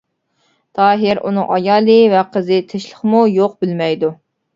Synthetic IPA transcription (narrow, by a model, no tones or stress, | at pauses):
t̪ʰɑːɦɪɾʔṵnɨŋʔɑjɑːlˠɨvɛqʰəzɨt̪ʰɪʃlˠəχmujoq̚bɪlmɛjd̪u